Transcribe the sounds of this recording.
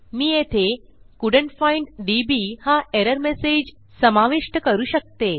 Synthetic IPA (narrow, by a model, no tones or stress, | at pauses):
miːet̪ʰe | kuɖəɳʈfãɪɳɖɖibihaʔeɾəɾmesed͡ʑ | səmaʋiʂʈəkəɾuːɕək̚t̪e